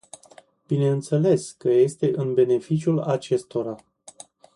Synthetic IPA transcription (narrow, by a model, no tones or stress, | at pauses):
b̥ine̞ɨnt̪se̞le̞skəje̞st̪e̞ʔɨnbe̞ne̞fit͡ʃiulat͡ʃe̞st̪o̞ɾa